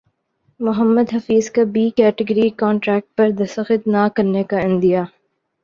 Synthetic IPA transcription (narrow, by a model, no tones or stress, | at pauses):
mʊɦəmːəd̪ɦɐfiːzkabiːkɛːʈɪɡəɾikɔːɳʈɾɛːk̚ʈ̚pɐɾd̪ɐsɐxɪt̪̚nakɐɾnekaɪ̃nd̪ijaː